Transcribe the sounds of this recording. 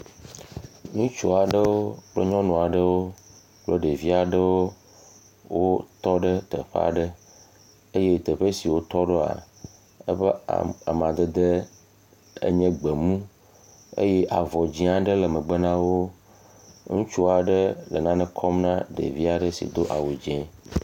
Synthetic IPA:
ɲũ˦t͡ʃu˦a˨ɖə˦wo˦k͡ple˦ɲɔ̃˦nɔ̃˨a˨ɖə˦wo˦ | k͡plo˦ɖe˨vi˦a˨ɖə˦wo˦ | wo˦t̪ɔ˦ɖə˦t̪ə̰˨ɸḛ˦a̰˨ɖə˦ | e˦je˦t̪ə˨ɸe˦si˨wo˦t̪ɔ˦ɖo˦a̰˨ | ə̰˦ɸḛ˦˨a˨m˨ã˨d̪e˦d̪e˦ | ḛ˦ɲɛ̃˦ɡ͡be˨mũ˦ | ḛ˦je˦ʔa˨vɔ˨d͡ʑĩ˦a˨ɖə˦le˨mə̃˨ɡ͡be˦nã˦wo˦ | ŋũ˦t͡ʃu˦a˨ɖə˦lə˨nã˦nɛ̃˦kʰɔ˦mnã˦ɖḛ˨vi˦a˨ɖə˦sḭ˨d̪o˦ʔa̰˨we˨d͡ʑɛ̃˨˦

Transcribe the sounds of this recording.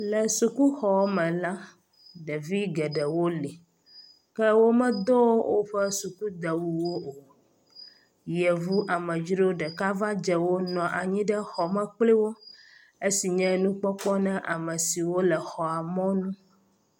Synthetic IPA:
lɛ˨su˨ku˦xɔ˨˦mɛ̃˨la˦ | ɖɛ˨vi˦ɡɛ˨ɖɛ˨wo˦li˨ | kɛ˦wo˦mɛ̃˦d̪o˦wo˦wʔo˦ɸɛ˦su˨ku˦d̪ɛ˨wu˨wo˦o˨ | jɛ˨vu˦ʔa˨mɛ̃˨d͡ʒi˦ɖo˦ɖɛ˨ka˦va˦d͡ʒɛ˨wo˦nɔ̃˨ʔa˨ɲĩ˦ɖɛ˦xɔ˨mɛ̃˦k͡pli˦wo˦ | e˦si˨ɲɛ̃˦nũ˦k͡pɔ˦k͡pɔ˦nɛ̃˦ʔa˨mɛ̃˨si˨wo˦lɛ˨xɔ˨a˨mɔ̃˦nũ˦

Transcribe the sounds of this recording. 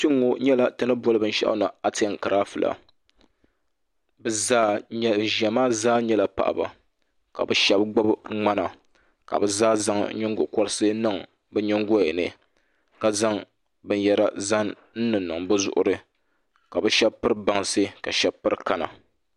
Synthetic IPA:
ti˦ŋːo˨ɲɛ˦la˨tɨ˦nɨ˦bɔ˦lɨ˦bɨ˦n̩˦ʃɛ̰˦ʔna˨a˦tɪ˨˦a˨ŋ˨ka˨ɾa˦fɨ˨lʔa̰˨ | bɛ˨zaː˦ɲɛ˦˨ʒɛ˨maː˦zaː˦ɲɛ˦la˨pa̰˨ʔa̰˨ba̰˨ | ka̰˨bɛ˨ʃɛ˦bɡ͡ba˦bŋ͡ma˦na˨ | ka̰˨bɛ˨zaː˦za˦ŋ˦ɲɪ˦ŋɡʊ˨kɔ˦ɾɨ˦sɨ˦nɨ˦˨ŋ | bɨ˦ɲɛ˦ŋɡo˦ɛ˨nɨ̰˨ | ka˨za˦ŋ | bɨ˦n˦jɛ˦ɾa̰˦za˦n | n̩˦nɨ˨nːɨ˨ŋbɨ˦zʊ̰˦˨ʔʊ˦ɾɨ˦ | ka˨bɛ˦ʃɛ˦bpɨ˦ɾɨ˦ba˨ŋsɨ˦ka˨ʃɛ˦b̚pɨ˦ɾka˨na̰˨

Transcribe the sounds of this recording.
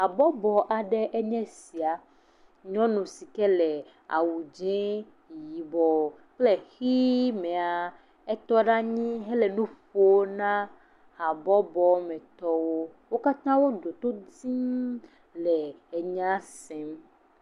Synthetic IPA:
a˨bɔ˦bɔ˨ʔa˨ɖɛ˦ʔɛ˦ɲɛ̃˦si˨a˨ | ɲɔ̃˦nũ˨si˨kɛ˦lɛ˨ | a̰˨wu˨d͡ʒɛ̃˦ | ji˨bɔ˨ | k͡plɛ˦xi˦mɛ̃˨a˨ | ɛ˦t̪ɔ˦ɖa˦ɲĩ˦ɦɛ˦lɛ˨nũ˦ɸo˦nã˦ | ha˨bɔ˦bɔ˨mɛ̃˨t̪ɔ˦wo˦ | wo˦ka˦t̪ã˦wo˦ɖo˨t̪o˦d͡zĩ˦ | lɛ˨ɛ˨ɲã˦sɛ̃˦m

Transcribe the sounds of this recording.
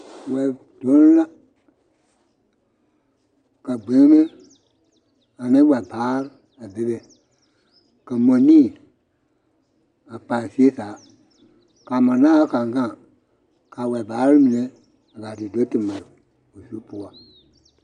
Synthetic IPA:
wɛ˨ | d̥o˨˦n˦la˦ | kə˨ɡ͡be˨˦ŋ˦mẽ˦ | a˨nĩ˦wɛ˨baː˨˦ɾ | a˨be˨˦ɾe˨ | kə˨mõ˨˦nĩː˦˨ | a˨k͡pa˨si˦e˦saː˨˦ | ka˨mã˨nãː˦a˦ka˨ŋ˨ɡã˦˨ | ka˨wɛ˨baː˨˦ɾi˦mĩ˨nẽ˨˦ | a˨ɡa˨di˨do˦tɨ˨mã˨ | o˨su˦pu˦a˨

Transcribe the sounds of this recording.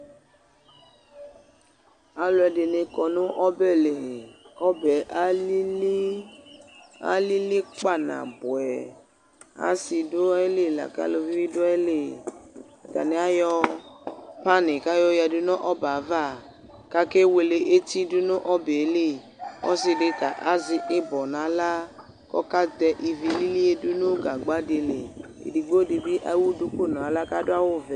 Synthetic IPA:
a˨lʊ˨˦ɛ˧dɪ˨nɪ˧kɔ˨nʊ̃˦ʔɔ˦bɛ˦˨le˨kɔ˦bɛ˨ʔ | a̰˦li˦li˦k͡pa˦˨nã̰˨bʊ˨ɛ˨ | a̰˦si˧dʊ˦ɛ˦le˦˨la̰˨ka̰˦lo˧vi˦wi˦dʊ˦ɛ˦le˦˨ | ɡa̰˨nɪ̃˨˦a˦jɔ˦ | pa˦ne˨ka˦jɔ˦ja˨dʊ˦nɔ̃˦ʔɔ˦ba˨˦va˦˨ | ka˦ke˦we˨le˨ʔe˦t̪i˦dʊ˦nʊ̃˦ʔɔ˦be˨˦le˦˨ | ɔ̰˦si˨ɖe˦t̪a˨ʔa˦zɪ˨ʔɪ˦bɔ˨nã˨˦la˦ | kɔ̰˦ka˦d̪ɛ˨ʔi˨vi˨li˦li˦e˦dʊ˦nʊ̃˦ɡa˨ɡ͡ba˦de˨le˨ | ḛ˨di˨ɡ͡bo˦di˨bi˦ʔa̰˦wu˦du˦ko˦nɔ̃˨a˨la˦ka˦dʊ˦a˦wʊ˦vɛ˨

